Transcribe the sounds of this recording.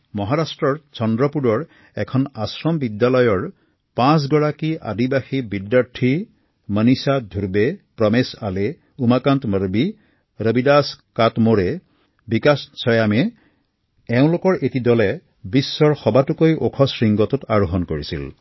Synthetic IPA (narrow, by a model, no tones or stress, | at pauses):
mɔɦaɹastɹɔɹt͡ʃɔndɹɔpuɹɔɹ | ɛkʰɔnasɹɔmbidjalɔjɔɹ | pãs̬ɡɔɹakiʔa̰dibaxibidjaɹtʰi | mənisad̪ʱuɾbepɹɔmesale | umakantməɹbi | ɾəbidaskatmoɹe | bikassʰɔjamɛ | ɛʊ̃lokɔɹʔetidɔlɛ | bisːɔɹxɔbatukojʔokʰɔsɹiŋɡɔtʊtaɹuɦɔnkoɹisḭl